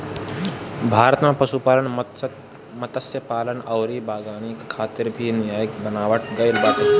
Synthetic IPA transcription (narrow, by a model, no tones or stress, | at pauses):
bʱaːɾət̪mepəʃupaːlən | mət̪əsjəpaːlənɐːɾibʱaːɡaːnikkʰaːt̪ɪɾbʱinɪjaːjəkbənaːʋəʈɡəɪlbat̪